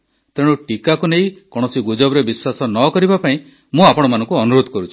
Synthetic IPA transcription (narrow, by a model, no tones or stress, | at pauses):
t̪eɽ̃uʈikakuneĩkɔɽ̃ɔsiɡud͡ʒɔbɾebiswasɔnɔkɔɾibapaĩ | mũapɔɽ̃ɔmanɔ̃ŋkuɔnuɾod̪ʱɔkɔɾut͡ʃʰu̥